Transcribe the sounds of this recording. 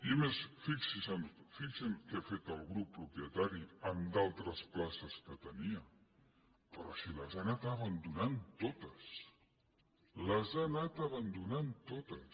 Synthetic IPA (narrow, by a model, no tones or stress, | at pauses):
imesfiksisəmfiksəmkeafet̪əlˠɣɾupːɾupiət̪aɾiəmd̪alˠt̪ɾəsplasəskət̪əniə | pɾɔ̰ʃiləzanat̪aβənd̪unant̪ot̪əs | ləzanat̪əβənd̪unant̪ot̪əs